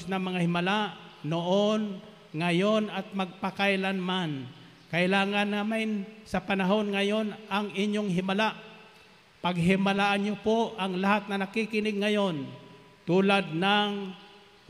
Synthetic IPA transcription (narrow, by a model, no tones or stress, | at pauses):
snɐŋmɐŋahɪmalaʔ | noʔon | ŋajonɐt̪̚mɐɡ̚pakajlanman | kɐʔɪlaːŋanːaːmɪnsɐpanaɦo̞nŋajonɐŋɪɲjoŋɦɪmalaʔ | pɐɡɦɪmalaʔaɲjopoʔʔɐŋlaɦat̪̚nɐnakikɪnɪɡ̚ŋɐjo̞n | t̪uːlad̪̚naŋ